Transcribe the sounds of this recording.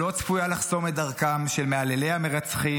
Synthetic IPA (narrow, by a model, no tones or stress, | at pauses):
o̞t͡sfujalaχso̞medaʁkamʃe̞lmeale̞lejhame̞ʁat͡sχi